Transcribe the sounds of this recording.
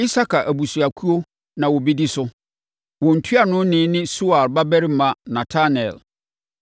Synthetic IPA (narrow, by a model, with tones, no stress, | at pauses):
i˦sa˦kʰa˨ʔæ˨bu˨su˨a˨kʰu˦o˦ | nã˨wɔ˨be˦di˦sʊ˦ | wɔ̃˨n̩˨tʰɥa˨nʊ̃˦nɪ̃˦nɪ̃˦su˦a˨lba˦bæ˦ɾi˦m̩˦mã˨nã˨tʰa˦n˨ɛ̰˨l